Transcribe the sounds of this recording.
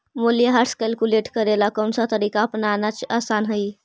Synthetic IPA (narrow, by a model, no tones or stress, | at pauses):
moljeɦaɾskɛlkuleʈkəɾelakonsat̪əɾikaːpnanat͡ɕasanɦəi